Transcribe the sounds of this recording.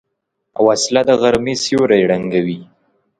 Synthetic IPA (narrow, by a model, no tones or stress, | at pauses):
a̰waslad̪əɣaɾmesjoɾajɽaŋɡawi